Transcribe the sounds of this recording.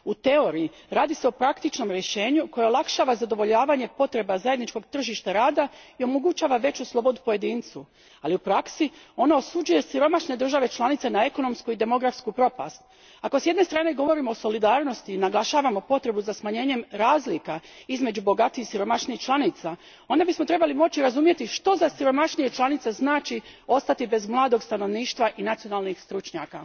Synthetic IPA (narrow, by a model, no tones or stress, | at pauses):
ut̪e̞o̞ɾii | ɾaːd̪ise̞o̞pɾakt̪it͡ʃno̞mɾjeʃe̞ːɲuko̞jeolˠakʃaːʋazad̪o̞ʋo̞ʎaːʋaɲe̞po̞t̪ɾe̞bazaje̞d̪nit͡ʃko̞ɡt̪r̩ʒiʃt̪aɾaːd̪aio̞moɡut͡ɕaːʋaʋe̞t͡ɕuslˠo̞bo̞d̪upo̞je̞d̪iːnt̪su | aliupɾaksio̞naosud͡ʒuje̞siɾo̞maʃne̞d̪ɾr̩ʒaʋe̞t͡ʃlˠanit̪se̞nae̞ko̞no̞mskuid̪e̞mo̞ɡɾafskupɾo̞pa̰st̪̚ | ako̞sje̞d̪ne̞st̪ɾaːne̞ɡo̞ʋo̞ɾiːmooso̞lid̪aːɾno̞st̪iːnaɡlaʃaːʋamo̞po̞t̪ɾe̞buzasmaɲe̞ːɲe̞mɾaːzlikaizme̞d͡ʑubo̞ɡat̪iisiɾo̞maʃnixt͡ʃlˠanit̪sa | o̞nd̪abismo̞t̪ɾe̞balimo̞t͡ɕiɾazumje̞t̪iʃt̪o̞zasiɾo̞maʃnije̞t͡ʃlˠanit̪se̞znaːt͡ʃio̞st̪at̪ibe̞zmlˠaːd̪o̞ɡst̪ano̞ʋniːʃt̪ʋaʔinat̪sijo̞nalˠnixst̪ɾut͡ʃɲaːka